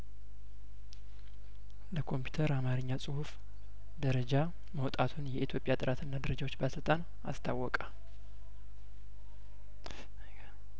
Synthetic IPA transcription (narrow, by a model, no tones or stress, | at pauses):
ləkʰo̞mpʰju̥t̪ʰəɾamaɾɨɲːasʼɨhuf | d̪əɾəd͡ʒa | məwt̪ʼat̪ʰunjɛʔit̪ʰjo̞pʼjat̪ʼɨɾat̪ɨnːad̪əɾəd͡ʒawo̞t͡ʃːbasɨlt̪ʼan | a̰st̪ʰawːɔkʼa